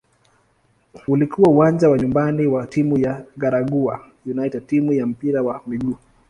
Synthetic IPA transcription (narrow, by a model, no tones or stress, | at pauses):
ulikʰuwauwand͡ʒawaɲumbaniwatimujaɡaɾaɡuajunaitɛd̚timujam̩piɾawamiɡuː